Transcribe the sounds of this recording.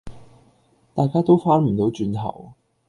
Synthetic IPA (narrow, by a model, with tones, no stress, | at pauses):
t̪aː˨jkaː˥t̪o˥wfaː˥nm̩˨˩t̪o˨˥wt͡ʃyː˨˧nt̪ʰɐ̰˨˩w